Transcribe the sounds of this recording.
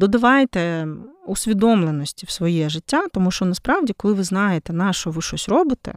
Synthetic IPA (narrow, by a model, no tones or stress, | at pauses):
d̪ɔd̪ɐʋɑjt̪ɛusʲʋʲid̪ɔmlˠenɔsʲtʲiwsʋɔjɛʒɪtʲːat̪ɔmuʃt͡ʃɔnɐspɾɑwdʲikɔlˠɪʋɪznɑjet̪ɛnɑʃɔʋɪʃɔsʲrɔbɪt̪ɛ̰